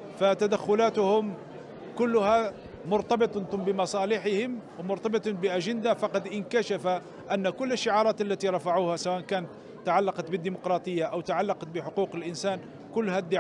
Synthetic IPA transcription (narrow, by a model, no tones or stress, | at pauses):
fat̪ad̪axːʊlæːt̪ʊhʊm | kʊlːʊha | mʊɾt̪ɑbɨt̪ˤbəmɑsˤɑːlɪħɪhɪmwmʊɾt̪ɑbɨt̪ˤbɪʔæʒɪnd̪afɑqɑd̪ʔɪnkaʃafa | ʔænːkʊlːəʃːɪʕɑːɾˤɑːt̪ʔalːæt̪iɾˤɑfaʕuːhasawaʔnkæːnət̪ːaʕalːɑqɑt̪bəd̪ːimʊqɾˤɑːt̪ˤəjːaʔawt̪aʕalːɑqɑt̪̚bɪħʊquːqəlʔɪnsæːn | kʊlːhæd̪ːɪ